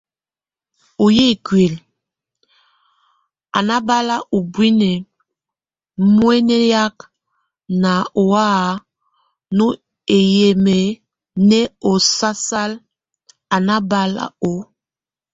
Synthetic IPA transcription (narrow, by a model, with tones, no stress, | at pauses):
o˨je˦˨kɥe˨l | a˨na˦ba˦la˦ʔu˨bwi˦nɛ˨ | mwe˦nɛ˦ja˦k | na˨o˨a˦˨ | nu˦ | e˨je˨me˨ | nɛ˦o˨sa˦sa˦l | a˨na˦ba˦la̰˦o˨